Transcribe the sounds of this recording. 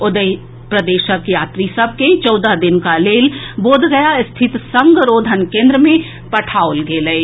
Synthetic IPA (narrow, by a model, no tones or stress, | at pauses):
ʊd̪əi | pɾəd̪eːʃəkjaːt̪ɾisəb̚ʱket͡ʃɔːd̪ad̪ɪnkaleːlboːd̪ɡəjaɪst̪ʰɪt̪sə̃ŋɡɾoːd̪ʱənkẽːnd̪ɾəmẽ | pɐʈʰaːolɡeːləi